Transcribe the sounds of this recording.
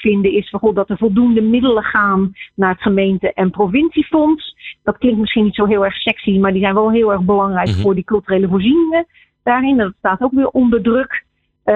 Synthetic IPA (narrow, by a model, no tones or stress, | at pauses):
fɪndəɪsfɔnχodɔtəɹv̥ɔlˠdundəmɪdələχaːnːaːɹətχəmejntəʔɛnprofɪnsifɔnsd̥ɑtklɪŋktmɪsχiənitsoːɦɪːlˠɛrxsɛksimaɹdizɛjnʋɛlˠɦɪːlˠɛɹɣbəlɑŋrɛjkfʊːɹdikɵlˠtyreːləvʊːɹzinɪŋə | d̥aːrɪndtstaːtowkʋɪːɹʔɔndəɹdrøk